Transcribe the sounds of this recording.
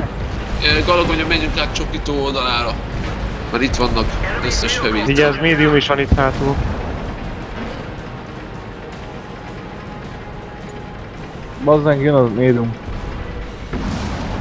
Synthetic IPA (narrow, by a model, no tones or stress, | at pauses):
ɡɒlɒɡoɲɒmɛɲukaːkt͡ʃokiːt̪oːold̪ɒlaːɾɒ | maɾit̪ʋɒnːɒkøsːɛʃhɛviːiɟɛzmeːd̪ijumiʃɒnit̪haːt̪oː | bɒzd̪aŋkjønɒmeːd̪ium